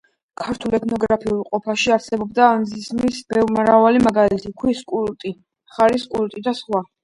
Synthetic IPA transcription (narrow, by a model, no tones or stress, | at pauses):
kʰaɾt̪ʰulɛt̪ʰnɔɡɾapʰiulˠqʼɔpʰaʃiaɾsɛbɔbd̪aːnzismisbɛvmɾavalimaɡalit̪ʰikʰwiskʼult̪ʼi | χaɾiskʼult̪ʼid̪asχwa